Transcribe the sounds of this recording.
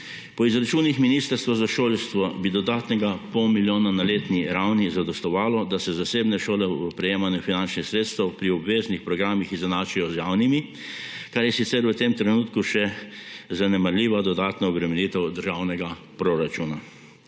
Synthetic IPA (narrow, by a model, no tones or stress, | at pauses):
pɔizɾat͡ʃuːnixminiːst̪əɾst̪ʋɔzaʃoːlst̪ʋɔbid̪ɔd̪aːt̪nɛɡapɔwmiljoːnanaleːt̪niɾawnizad̪ɔst̪ɔʋaːlɔd̪asɛzaseːbnɛʃoːlɛəpɾɛjeːmanɛfinant͡ʃnixsɾeːt̪st̪ɛwpɾiɔbʋeːznixpɾɔɡɾaːmixizanaːt͡ʃijɔzjaːwnimi | kaɾjɛsit̪sɛɾʋət̪emt̪ɾɛnuːt̪kuʃɛzanɛmaɾlʲiːʋad̪ɔd̪aːt̪nɔɔbɾɛmɛniːt̪ɛwd̪əɾʒawnɛɡa | pɾoɾat͡ʃuːna